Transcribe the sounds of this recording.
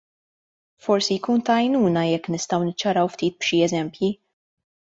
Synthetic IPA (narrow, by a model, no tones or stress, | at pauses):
fɔɾsijkuːnt̪ɐːjnuːnɐjɛkːnɪst̪ɐwnɪt͡ʃːɐɾɐwft̪iːt̪̚bʃiɛzɛmpji